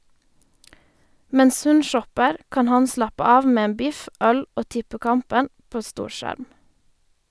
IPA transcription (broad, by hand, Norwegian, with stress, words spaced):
ˈmɛns ˈhʉn ˈʃɔpəʁ ˈkɑːn ˈhɑn ˈslɑpə ˈɑːʋ ˈmeː ˈeːn ˈbɪf ˈœl ˈoː ˈtɪpəˌkɑmpən ˈpoː ˈstuːɾˌʃæɾm